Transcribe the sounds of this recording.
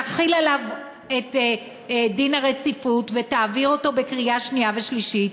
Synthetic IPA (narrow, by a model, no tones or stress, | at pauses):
aχilalav | et̪ | dinhaʁe̞t͡sifutve̞taːviʁo̞to̞be̞kʁiaʃniave̞ʃliʃit